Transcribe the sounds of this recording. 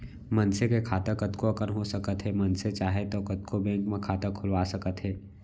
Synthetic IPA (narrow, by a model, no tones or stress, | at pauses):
mɐnsekekʰaːt̪əkɐt̪koɐkənɦosɐkət̪ɦɛmɐnset͡ʃaːɦet̪okət̪̚kʰobɛ̃ːŋkmẽkʰaːt̪əkʰʊlʋaːsɐkət̪ɦɛː